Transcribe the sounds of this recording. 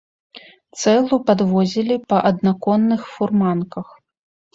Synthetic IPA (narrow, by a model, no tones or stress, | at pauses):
t̪sɛlˠupad̪vɔzʲilʲipɐʔɐd̪nakɔnːɨxfurmankɐx